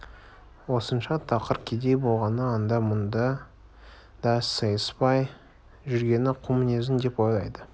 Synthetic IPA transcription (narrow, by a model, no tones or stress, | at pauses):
wo̞sənʃɑt̪ʰɑqəɾkʲʰed̪e̞jbo̞lˠʁɑnəɑnd̪ɑmʊnd̪ɑ | d̪̥ɑssəjəspɑj | ʒʏɾɡʲe̞nɪqʰumʊnezɪnd̪e̞po̞jlˠɑjd̪ə